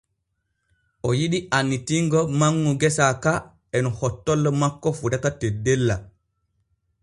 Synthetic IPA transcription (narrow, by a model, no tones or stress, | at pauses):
ʔɔjiɗiʔanːitiŋɡɔmaŋːuɡɛsaka | ɛnɔhɔtːɔlːɔmakːɔfuɗatatedːɛlːa